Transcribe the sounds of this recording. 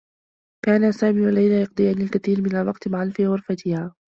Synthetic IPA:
kaːnasaːmiːwalajlajɑqd̪ˤɨɪjaːnɪlkaθiːɾmɪnalwɑqt̪maʕanfiːɣʊɾfat̪ʰɪhaː

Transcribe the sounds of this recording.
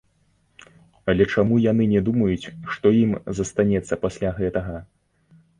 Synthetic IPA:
ɐlʲɛt͡ʂamujanɨnʲɛd̪umɐjut͡sʲʂt̪ɔjimzɐst̪anʲɛt̪sːɐpasʲlʲaɣɛt̪ɐɣɐ

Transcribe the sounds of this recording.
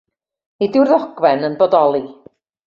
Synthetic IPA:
idɪwrðɔɡ̥wɛnənbɔdɔlˠi

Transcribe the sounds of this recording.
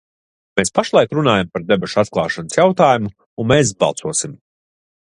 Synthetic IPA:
meːspaʃlˠajkɾunaːjampaɾd̪ebɛʃat̪klˠɑːʃanəsjawt̪aːjumuː | nmeːs̬bɑ̰lˠtsuɔsim

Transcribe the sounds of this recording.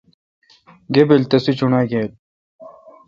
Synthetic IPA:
ɡebilt̪ɐsit͡ɕunaːjɡel

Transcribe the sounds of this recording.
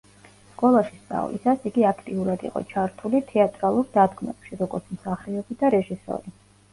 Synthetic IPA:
skʼɔlˠaʃisʼa̰ṵlḭsasiɡiakʰt̪ʼiuɾad̪ḭqʼɔ̰t͡ʃʰaɾt̪ʰulit̪ʰɛat̪ʼɾalˠuɾd̪ad̪ɡmɛ̰pʃiɾɔɡɔɾt̪sʰmsaχɾɛɔbid̪aɾɛʒisɔ̰ɾi

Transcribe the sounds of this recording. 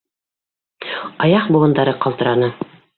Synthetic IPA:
ɑjɑqbuʁɤ̆nd̪ɑɾɤqɑlˠt̪ɤ̆ɾɑnɤ

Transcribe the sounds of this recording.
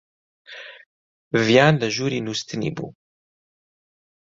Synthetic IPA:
vjaːnlɨʒuːɾiːnuːst̪ʰɨnḭːbṵː

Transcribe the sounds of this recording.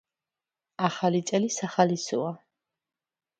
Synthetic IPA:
aχalit̪sʼɛlisaχalisɔa

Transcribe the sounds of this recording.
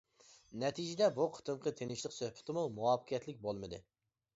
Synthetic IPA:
nɛt̪ʰid͡ʒɪd̪ɛbuqʰə̥t̪ʰɨmqʰət̪ʰenɪʃlˠɨqsøhpʰɪ̥t̪ʰɪmumuwɑpqʰijɛt̪lɪk̚ʲbolˠmɨd̪ɨ̰

